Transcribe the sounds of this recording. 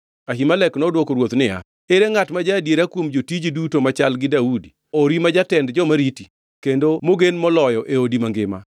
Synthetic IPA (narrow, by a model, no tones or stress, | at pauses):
aɦimalɛknɔdwokoɾwot̪nɪa̰ | eɾeŋatmad͡ʒadjeɾakwomd͡ʒotid͡ʒidutomat͡ʃalɡɪdaudi | oɾimad͡ʒatɛndd͡ʒɔmaɾiti | kendomoɡenmɔlɔjɔʔeodimaŋɡɪma̰